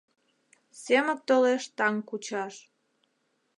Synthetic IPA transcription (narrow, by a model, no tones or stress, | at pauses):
semək̚t̪oleʃt̪ɑŋkut͡ɕɑʃ